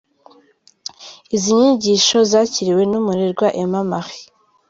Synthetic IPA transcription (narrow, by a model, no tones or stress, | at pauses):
iziɲiɟiʃo̞zaːciɾiwe̞numuɾeɾɡwaʔemamaxi̥